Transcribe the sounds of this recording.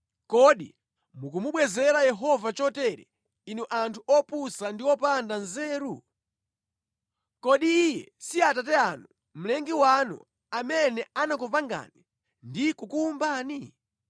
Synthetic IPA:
kɔɗḭ | mukumuɓwɛzɛɾajɛɦɔvat͡ʃɔtɛɾɛ̰ | inuʔantʰuʔɔpusandiɔpandanzɛːɾu | kɔɗiːjɛ̰siatat̬ɛanu | m̩lɛŋɡiwanṵ | amɛnɛanakupaŋɡa̰ni | ndikukuːmbaːni

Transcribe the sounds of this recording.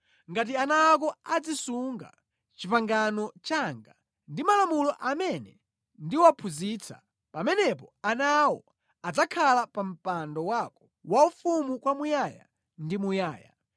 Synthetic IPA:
ŋɡat̬ianak̬ɔad͡zisuŋɡa̰ | t͡ʃipaŋɡanɔt͡ʃaŋɡa | ndimalamulɔʔamɛnɛ | ndiwapʰuziːt͡sʰa̰ | pamɛnɛpɔanawɔ | ad͡zakʰalapam̩pandɔwakɔ̥ | waufumukwamujaja̰ | ndimujaːja̰

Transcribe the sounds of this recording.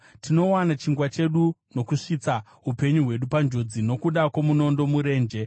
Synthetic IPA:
tino̞wanat͡ʃiŋɡwat͡ʃe̞ɗuno̞kuʂit͡sa | ɦupe̞ɲuɦwe̞ɗupand͡ʒo̞d͡zino̞kuɗakwomuno̞ndo̞muɾe̞ːnd͡ʒe̞

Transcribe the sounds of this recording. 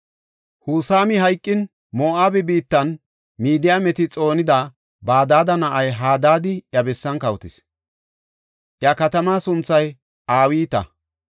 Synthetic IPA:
huːsaːmɪɦɐjkʼːɪn | moːʔaːbɛbiːt̪ːɐn | miːd̪ɪjaːmɛt̪ɪt͡sʼo̞ːnɪd̪ɐ | baːd̪aːd̪ɐnɐʔɐjɦaːd̪aːd̪ɪʔjɐbɛsːɐnkɐwt̪ɪs | ʔjakɐt̪ɐmaːsʊnt͡sːɐj | ʔaːwiːt̪ɐ̰

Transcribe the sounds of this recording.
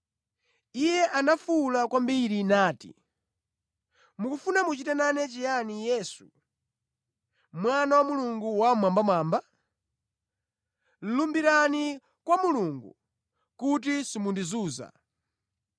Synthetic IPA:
ijɛʔanafulakwambiɾinaːtḭ | mukufunamut͡ʃitɛnanɛt͡ʃɛjanijɛːsṵ | mwanawamuluŋɡuwamwambamaːmba | lumbiɾani | kwamuluŋɡṵ | kut̬isimundizuːza̰

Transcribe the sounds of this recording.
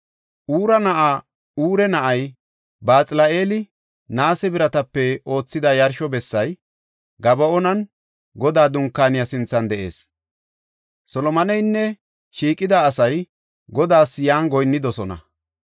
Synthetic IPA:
ʔuːɾɐnɐʔa | uːɾɛnɐʔɐj | baːt͡sʼɪlɐʔeːlɪ | naːsɛbɪɾɐt̪ɐpːɛo̞ːt͡sːɪd̪ɐjɐɾʃɔbɛsːɐj | ɡɐbɐɔnɐn | ɡɔd̪aːd̪ʊŋkːaːnɪjasɪnt͡sːɐnd̪ɛʔe̞̰ːs | sɔlɔmɐnɛjnːɛ | ʃiːkʼːɪd̪aːsɐj | ɡɔd̪aːsjaːnɡɔjnːɪd̪ɔsɔnɐ̰

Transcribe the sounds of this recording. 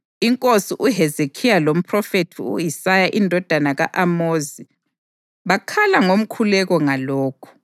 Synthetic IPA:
iŋkʼosiʔuɦɛzekʰijalom̩pʰʼrɔfetʰiṵjisajaʔindʱɔd̥ʱanaɣaʔamoːzi | βakʰalaŋom̩kʰulɛɣɔŋalɔːkʰu̥

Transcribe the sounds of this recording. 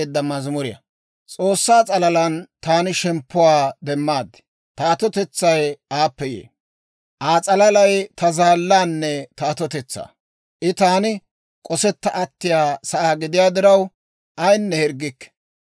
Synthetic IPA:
ɪd̪ːɐmɐzmʊɾɪjɐ̰ | t͡sʼoːsːaːt͡sʼɐlɐlɐnt̪aːnɪʃɛmpːʊwaːd̪ɛmːaːd̪ | t̪aːt̪ɔt̪ɛt͡sːɐjaːpːɛjḛː | ʔaːt͡sʼɐlɐlɐjt̪ɐzaːlːaːnːɛt̪aːt̪ɔt̪ɛt͡sːa̰ː | ʔɪt̪aːnɪ | kʼɔsɛt̪ːɐʔɐt̪ːɪjaːsɐʔaːɡɪd̪ɪjaːd̪ɪɾɐw | ʔɐjnːɛhɛɾɡːɪkːɛ̥

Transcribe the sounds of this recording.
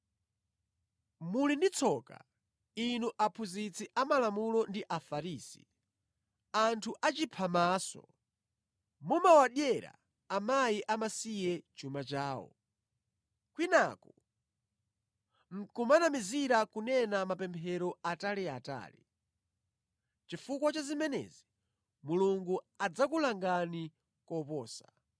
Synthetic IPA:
mulindit͡sʰɔka̰ | inuʔapʰuzit͡sʰiʔamalamulɔndiʔafaɾiːsi̥̰ | antʰuʔat͡ʃipʰamaːsɔ̰ | mumawaɗjɛɾa̰ː | majiʔamasijɛt͡ʃumat͡ʃaːwɔ̰ | kwinaku | ŋ̩kumanamiziɾakunɛnamapɛmpʰɛɾɔataliata̰ːlḭ | t͡ʃifukwat͡ʃazimɛnɛ̰zi | muluŋɡu | ad͡zakulaŋɡani | kɔpɔːsḁ

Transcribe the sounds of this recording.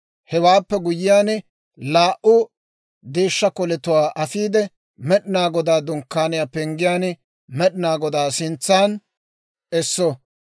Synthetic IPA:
hɛwaːpːɛɡʊjɪjaːn | laːʔʊ | d̪e̞ːʃːɐkɔlɛt̪ʊwaːʔɐfiːd̪ɛ | mɛɗɪnaːɡɔd̪aːd̪ʊŋkːaːnɪjaːpɛŋɡɪjaːn | mɛɗɪnaːɡɔd̪aːsɪnt͡sːaːn | ɛsːɔ

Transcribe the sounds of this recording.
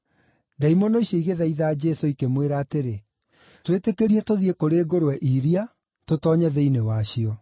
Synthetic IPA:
daimonɔiɕɔiɣeðaiðaːd͡ʒɛsoikemweɾaːteɾe | twetekeɾiɛtoðiɛkoɾeːɡoɾwɛʔiɾia | totɔɲɛðɛinewaɕiɔ

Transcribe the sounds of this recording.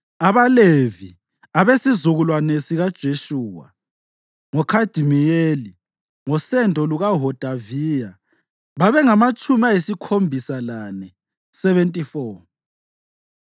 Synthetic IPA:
aβalevi | aβesizuɣulwanesiɣad̥ʒ̥ʱeʃuːwa̰ | ŋɔkʰad̥ʱimijeli | ŋɔsɛntʼɔluɣaɦɔd̥ʱavija | βaβɛŋamat͡ʃʼumiajisikʰombʱisalanɛ | sɛβɛntʼifɔː

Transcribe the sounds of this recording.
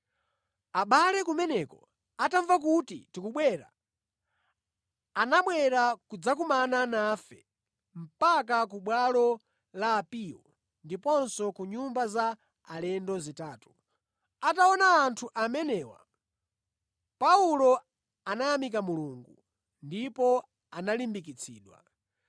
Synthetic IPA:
aɓalɛkumɛnɛkɔ̰ | ataɱvak̬utḭtikuɓwɛːɾa̰ | naɓwɛɾakud͡zakumananafɛ̰ | m̩pakak̬uɓwalɔ | laːpiɔ̰ | ndipɔnsɔkuɲumbazaː | lɛndɔzitaːtu̥ | ataɔnaːntʰuʔamɛnɛːwa̰ | paulɔ | anajamik̬amuluːŋɡu | ndipɔ | analimbikit͡sʰḭːɗwa̰

